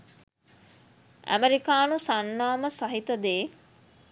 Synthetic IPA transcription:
æ̰meɾikaːnusanːaːməsɐɦit̪ɐd̪eː

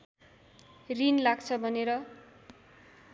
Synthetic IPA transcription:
rinlaɡt͡sʰʌbʱʌneɾʌ

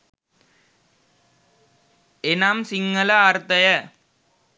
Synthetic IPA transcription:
ɛnaːmsɪŋːɐlɐaːɾt̪ɐjɐ

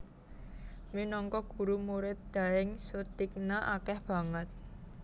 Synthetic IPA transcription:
minɔŋkɔɡ̥ṳɾumuɾɪt̪̚d̪̥a̤ɪŋsut̪ik̚naʔakɛhb̥ä̤ŋət̪̚

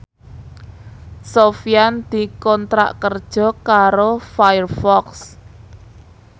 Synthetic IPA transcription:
sofiand̪̥i̤kɔnt̪ɾa̰ʔkərd̥ʒ̥ɔ̤kaɾofajərfɔks

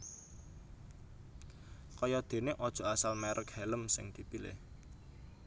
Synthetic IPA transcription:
kɔjɔd̪̥e̤neʔɔd̥ʒ̥ɔ̤asalmɛɾʔəkhɛləmsɪŋd̪̥ipilɪ̰h

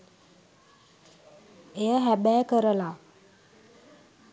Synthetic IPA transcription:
ejəɦæbæjkəɾəla

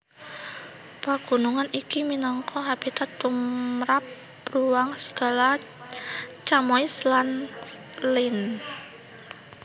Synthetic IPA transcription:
paɡ̥ṳnuŋanikiminɔŋkɔɦab̥it̪at̪ːumɾapː | ɾuwaŋsə̥ɡ̥a̤la | t͡ʃamɔislan | lɪn

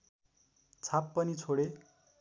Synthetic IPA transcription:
t͡sʰapːʌnit͡sʰoɽe

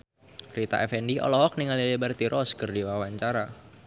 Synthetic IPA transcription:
rit̪a̰ʔɛfɛndiʔɔ̰lɔk̚niŋalilibərt̪iɾʔɔskərdiwawaɲt͡ʃaɾa

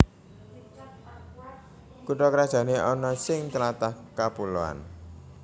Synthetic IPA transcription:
kuʈɔkɾad̥ʒ̥ä̤neʔɔnɔsɪŋt͡ʃəlat̪ahkapuloa̰n

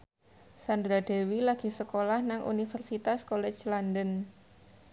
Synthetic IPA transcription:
sand̪ɾade̤wilaɡ̥i̤səkolahnaŋʔṵnifərsit̪askolɛ̥t͡ʃlandən

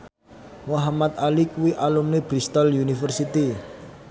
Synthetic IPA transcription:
moɦamat̪alikuwiʔalumnebɾist̪ɔljunifərsit̪i

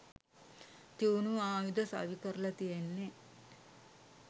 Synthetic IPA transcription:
t̪iwnuaːʋid̪ɐsa̰ːʋikɐɾlɐt̪ienːe

